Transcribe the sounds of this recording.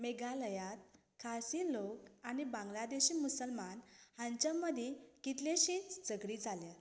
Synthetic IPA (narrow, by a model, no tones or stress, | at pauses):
meɡaləjat̪̚ | kʰasilokañibãŋɡlad̪eɕiːmusəlmanhãɲt͡ɕəmːəd̪ʱjekit̪leɕĩt͡sd͡zəɡɽid͡zʱalja